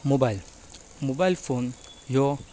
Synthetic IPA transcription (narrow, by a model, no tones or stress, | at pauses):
mobal | mobalfon | jo